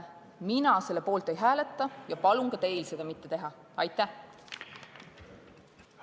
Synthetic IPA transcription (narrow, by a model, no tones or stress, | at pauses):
minɑse̞lːe̞po̞ːlt̪ːˑejɦæːlet̪ˑːɑjɑpɑluŋkɑt̪e̞jlse̞d̪̥ɑmit̪ːe̞t̪e̞ɦɑ | ɑjt̪ːˑæh